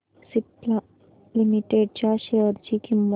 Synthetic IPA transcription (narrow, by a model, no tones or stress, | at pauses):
sipla | limiʈeɖ̚t͡ʃaɕeəɾt͡ʃikimː